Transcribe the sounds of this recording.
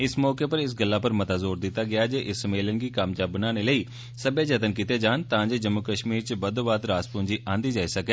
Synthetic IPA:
ɪsmɔːkeːpəɾɪs̬ɡəlːaːpəɾmət̪aːzoːɾd̪ɪt̪ːaːɡɪaːd͡ʒeːʔɪsːəmeːlənɡiːkəmd͡ʒaːbənaːneːləiː | səbeːd͡ʒət̪ənkɪt̪eːd͡ʒaːnt̪ãːd͡ʒeːd͡ʒəmːʊkəʃmiːɾt͡ʃəbəd̪oːbaːd̪ɾaːspʊ̃ːɲd͡ʒiːʔãːnd̪iːd͡ʒaːiːsəkɛː

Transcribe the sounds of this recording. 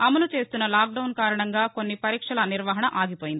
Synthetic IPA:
ɐmɐlut͡ʃe̞ːst̪unːɐlaːk̚ɖɐwnkaːɾɐɳɐŋɡaːko̞nːipɐɾiːkʂɐlɐniɾʋaːɦɐɳɐʔaːɡipoːjind̪i

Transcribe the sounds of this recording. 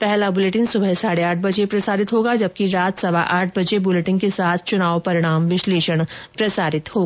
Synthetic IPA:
pɛɦlabʊleːʈɪ̃nɡsʊbʱəɦsaːɽeaːʈʰbɐd͡ʒepɾɐsaːɾɪt̪ɦoːɡad͡ʒɐb̚kiɾaːt̪sɐʋaʔaːʈ̚ʰbɐd͡ʒebʊleʈɪ̃ŋɡkesaːt̪ʰt͡ʃʊnaːʋpɐɾɪɽ̃aːmʋɪʃleːʃəɽ̃pɾɐsaːɾɪt̪ɦoː

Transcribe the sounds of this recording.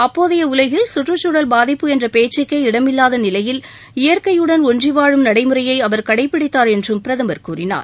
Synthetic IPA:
ɐpːoːðɪjɐʊlɐɪɣɪlsʊʈrɯt͡ʃuːɽɐlbaːðɪpːɯɛndrɐpeːt͡ʃːɪkːɐɪɪɽɐmɪlːaːðɐnɪlɐjɪl | ɪjɐɾkɐjɯɽɐnɔɳdriʋaːɻɯmnɐɽɐɪmɯrɐjɐɪɐʋɐɾkɐɽɐɪpːɪɽɪt̪ːaːɾɛndrɯmpɪɾɐðɐmɐɾkuːrɪna̰ːɾ

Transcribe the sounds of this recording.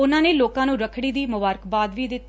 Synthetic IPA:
ʊnãːneːloːkãːnũːɾəkʰɽiːd̪iːmʊbaːɾəkbaːd̪ʋiːd̪ɪt̪ː

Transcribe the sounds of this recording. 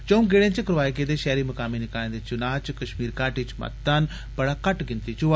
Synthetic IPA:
t͡ʃõũmɡeɽẽːt͡ʃəkəɾʋaːekeːd̪eːʃɛːɾiːməkaːminɪkaːẽd̪et͡ʃʊnaːt͡ʃkəʃmiːɾkaːʈiːt͡ʃmɐ̰t̪ːan | bəɽaːkəʈɡɪnt̪iːt͡ʃʊa

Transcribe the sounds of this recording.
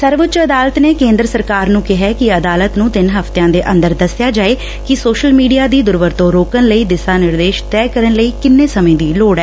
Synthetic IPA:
səɾʋət͡ʃəd̪aːlət̪neːkẽːnd̪ɾəsəɾkaːɾnũːkɪɦɛːkɪəd̪aːlət̪nũːt̪ɪnɦəft̪ejãːd̪eːʔə̃nd̪əɾd̪əsɪjaːd͡ʒaːeː | kɪsoːʃəlmiːɖijaːd̪iːd̪ʊɾʋəɾt̪õːɾoːkənləiːd̪ɪsaːnɪɾd̪eːʃt̪ɛːkəɾənləiːkɪnːeːsəmẽːd̪iːloːɽɛː

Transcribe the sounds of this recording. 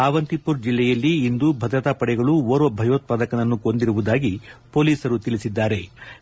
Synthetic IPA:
aːʋɐnt̪ipːuɾd͡ʒilːɛjɐlːiːnd̪ubʱɐd̪ɾɐt̪aːpɐɽɛɡɐɭuʋoːɾʋɐbʱɐjoːt̪̚paːd̪ɐkɐnɐnːukond̪iɾuʋud̪aːɡipo̞ːliːsɐɾut̪ilisid̪ːaːɾe̞

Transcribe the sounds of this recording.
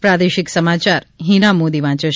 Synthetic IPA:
pɾad̪eʃɪksəmat͡ʃaɾɦinamoːd̪iʋãt͡ʃə

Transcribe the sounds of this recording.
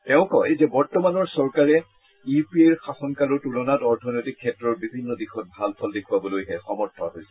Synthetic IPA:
tɛʊ̃kɔejzɛbɔɹtɔmanɔɹsɔɹkaɹɛ | ipieɹxasɔnkalɔɹtulɔnatɔɹtʰɔnojtikʰːɛtːɹɔɹbibʱinːɔdixɔt̚bʱalpʰɔldekʰuwabɔlojɦɛxɔmɔɹtʰɔɦo̰jsɛ̥

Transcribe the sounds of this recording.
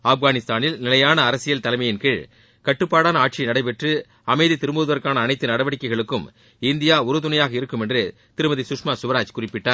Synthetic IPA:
afɣaːnɪst̪aːnɪlnɪlɐjaːnɐːɾɐsɪjɐlt̪ɐlɐɪmɐjɪnkɪɭ | kɐʈːɯpːaːɽaːnɐaːʈ̚t͡ʃinɐɽɐɪpɛʈrɯ | ɐmɐɪðit̪ɪɾɯmoːðɯʋɐɾkaːnɐːnɐɪt̪ːɯnɐɽɐʋɐɽɪkːɐɪɣɐɭɯkːɯm | ɪnd̪ɪjaːʊɾɯt̪̬ʊnɐjaːɣɐɪɾɯkːɯmɛndrɯ | t̪ɪɾɯmɐðisʊʂmaːsʊʋɐɾaːt͡ʃkʊrɪpːɪʈːaː

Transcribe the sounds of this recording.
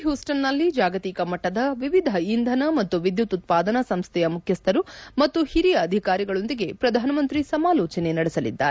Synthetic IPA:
ɦjuːsʈɐnːɐlːid͡ʒaːɡɐt̪iːkɐmɐʈːɐd̪ɐʋiʋid̪ʱɐind̪ʱɐnɐmɐt̪ːuʋid̪jut̪ut̪̚paːd̪ɐnɐsɐmst̪ʰɛjɐmukʰjɐst̪ʰɐɾumɐt̪ːuhiɾijɐːd̪ʱikaːɾiɡɐɭo̞nd̪iɡe̞pɾɐd̪ʱaːnɐmɐnt̪ɾisɐmaːlɔːt͡ʃɐne̞nɐɽɛsɐlḭd̪ːa̰ːɾe

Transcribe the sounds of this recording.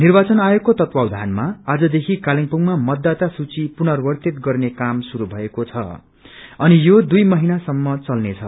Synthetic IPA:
nirbat͡sʌnajokːot̪ʌt̪wawd̪ʱanmaːd͡zʌd̪ekʰikaliŋpuŋmamʌd̪ːat̪asut͡sipunʌrbʌrt̪it̪ɡʌrnekamsuɾubʱʌekot͡sʰʌ̰ | ʌnijod̪ujmʌɦinasʌmːʌt͡sʌlnet͡sʰʌ

